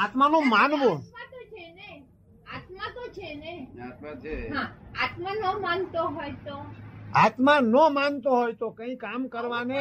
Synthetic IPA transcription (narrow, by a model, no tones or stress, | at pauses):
at̪manũmanʋomãt̪ot͡ʃʰene | at̪mãt̪ot͡ʃʰene | ɦãat̪manəmant̪oɦojt̪oat̪mãnəmant̪oɦojt̪okə̃ĩkamkəɾʋane